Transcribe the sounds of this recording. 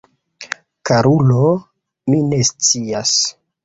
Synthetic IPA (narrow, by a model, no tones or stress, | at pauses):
kaɾulo | mine̞st͡sias